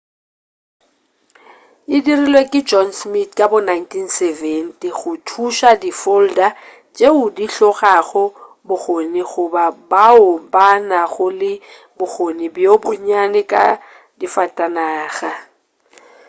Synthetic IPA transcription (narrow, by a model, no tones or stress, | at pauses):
ɪdirilwekʼɪd͡ʒɔnsmitʰkʼabʊnajntʰinsɛvɛntiɣʊtʰuʃadifolda | d͡ʒʼeʊdiɬɔɣaɣʊ | bʊɣoniɣʊbabaʊbanaɣʊlɪ | bʊɣonɪbjobʊɲanɪkʼa̰ | difatʼanaːɣa